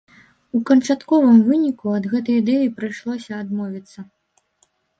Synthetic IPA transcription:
ukɐnt͡ʂat̪kɔvɨmvɨnʲikuɐd̪ɣɛt̪ɐjid̪ɛjipɾɨjʂlˠɔsʲɐːd̪mɔvʲit̪sːɐ

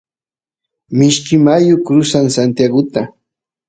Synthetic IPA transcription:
mɪʃkɪmajʊkɾʊsaŋsant̪jaɡʊt̪a

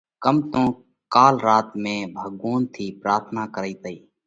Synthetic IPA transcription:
kəmt̪õː | kaːlɾaːt̪mẽːbʱəɠuːnt̪ʰiːpɾaːɾt̪ʰnaːkəɾiːt̪əiː

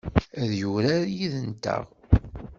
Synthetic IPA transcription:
æðjuɾaɾjiðənt̪ə̰ʁ

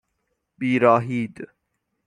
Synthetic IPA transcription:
biːɾɔːɦiːd̪

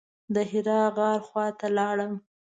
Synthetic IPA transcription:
d̪əɦɪɾɑɣɑɾxwɑt̪alɑɽəm

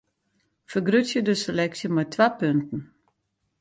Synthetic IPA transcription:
fərɡrøtjədəselɛksjəmɛjtʰʋapøntn̩

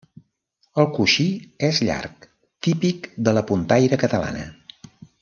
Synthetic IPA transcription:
əlˠkuʃiezʎa̰rk | t̪ipikd̪ələpunt̪ajɾəkət̪əla̰nə̰

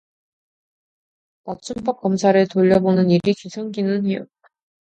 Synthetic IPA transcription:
mak̚t͡ɕ͈ump͈ʌk̚k͈ʌmsʰaɾɯɭtoʎːʌbonɯniɾikusʰʌŋɡinɯnɦejo | a

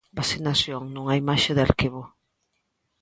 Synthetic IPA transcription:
basinasjoŋnũŋaimaʃeðaɾkiβo

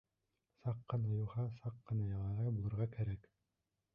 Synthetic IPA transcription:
sɑqːɤ̆nɑjuʁɑsɑqːɤ̆nɑjɑlɑʁɑjbulˠɤ̆ɾʁɑkæɾæk

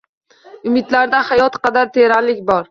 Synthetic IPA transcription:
ʊmɪd̪laɾd̪ahajɒt̪qʰɑd̪aɾt̪ʰeɾalɪkʲbɒɾ

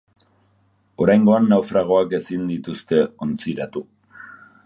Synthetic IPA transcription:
o̞ɾajŋɡo̞anːawfɾaɣ̞o̞ake̞sind̪it̪ust̪e̞o̞nt͡siɾat̪u

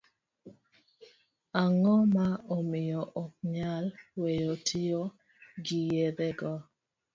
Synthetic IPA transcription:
aŋɔmaɔmɪjɔʔɔk̚ɲalwejotʰio | ɡijeɾɛɡɔ

